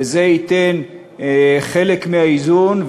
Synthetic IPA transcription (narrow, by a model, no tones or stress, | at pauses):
ezeit̪en | χelekmehaizunv